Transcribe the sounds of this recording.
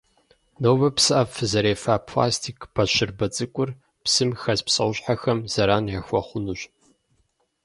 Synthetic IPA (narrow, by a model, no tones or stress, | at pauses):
nowbɐpsɨʔɐfɨzɐɾeːfapʰla̰ːstʰikʰʼbʰɐʃɪrbɐt͡sʼɨkʷʼʊr | psɨmxɐzpsʼɐwɕħaxɐmz̥ɐɾaːnʕɐxʷɔχʷʊnuɕʼ